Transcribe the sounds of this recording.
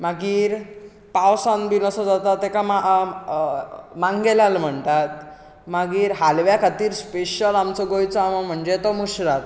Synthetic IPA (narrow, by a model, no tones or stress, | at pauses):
maɡiːɾ | pawsãnbinɔsɔd͡zat̪at̪ekama | mãŋɡelalm̤əɳt̪at̪ | maɡiːɾɦalʋjakʰat̪iːɾspeɕəlamt͡sɔɡojt͡sɔamam̤əɳd͡ʑet̪ɔmuɕɾat̪